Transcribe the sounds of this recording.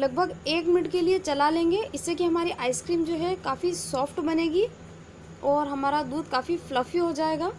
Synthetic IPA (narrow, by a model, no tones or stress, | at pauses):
lɐɡ̚bʱəɡeːkmɪʈkeliet͡ʃɐlalẽːŋɡeʔɪsːekiɦɐmaːɾiʔaːɪskɾiːmd͡ʒoːɦɛkaːfisɔːfʈbɐneːɡi | ɔːɾɦɐmaːɾad̪uːd̪̚kaːfiflɐfiɦod͡ʒaːeːɡaː